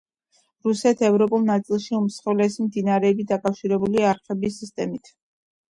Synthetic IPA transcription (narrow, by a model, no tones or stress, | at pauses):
ɾusɛt̪ʰɛvɾɔpʼulˠnat̪sʼilˠʃiumsχɛvlɛsimd̪inaɾɛːbit̪̚d̪akʼafʃiɾɛbuliaɾχɛbisist̪ʼɛmit̪ʰ